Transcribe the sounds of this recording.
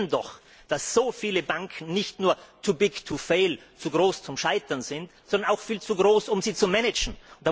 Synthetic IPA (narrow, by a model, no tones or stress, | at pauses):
ndɔ̰x | d̥asz̥oːfiːləbaŋkʰn̩nɪçtnuːɐtʰubɪɡtʰufeɪl | t͡suːɡʁoːst͡sʊmʃaɪtɐnzɪntsɔndɐnaʊxfiːlt͡suɡʁoːsʊmziːt͡sumɛnɪd͡ʒn̩ʊnd̥aː